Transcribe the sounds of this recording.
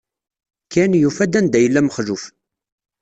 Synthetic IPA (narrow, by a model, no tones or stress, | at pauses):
kʰænjufæd̪ænd̪æjəlːæməχʒʊf